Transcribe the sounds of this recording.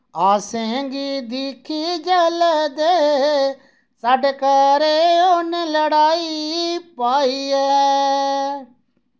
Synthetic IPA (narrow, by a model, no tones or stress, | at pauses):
aːsẽŋɡid̪iːkʰid͡ʒəlɛd̪eː | saːɖekɐɾeoːneləɽaːipaːiɛː